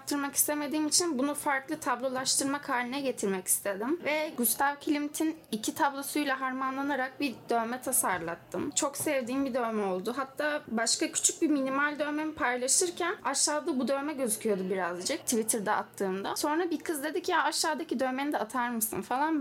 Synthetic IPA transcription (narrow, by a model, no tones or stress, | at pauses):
t̪ʰːɯɾmaki̥st̪e̞me̞d̪iːmit͡ʃʰinbunufaɾklˠɯt̪ʰablˠo̞lˠaʃt̪ɯɾmakʰaːlʲinɛɟe̞t̪ʰiɾmɛci̥st̪ʰe̞d̪imvɛɟyst̪ʰavcʰilʲimt̪ʰinicʰit̪ʰablˠo̞sujlʲˠaɦaɾmanlˠanaɾak̚bid̪̥ø̞mɛt̪ʰasaɾlˠa̰t̪ʰːɯmt͡ʃʰo̞ksɛvd̪iːnbid̪ø̞mɛo̞lˠd̪uɦat̪ʰːaːbaʃkacʰy̥t͡ʃʰyc̚biminimalʲd̪ø̞me̞nipʰajlˠaʃɯɾcʰænaʃːaːd̪abud̪ø̞mɛɟø̞zycʰyjo̞d̪ubiɾazd͡ʒɯk̚t̪ʰivit̪ʰiɾd̪ɛa̰t̪ʰːɯːmd̪aso̞nɾabikʰɯzd̪e̞d̪icjaaʃːaːd̪acid̪ø̞menid̪ɛat̪ʰaɾmɯsɯ̰nfalˠan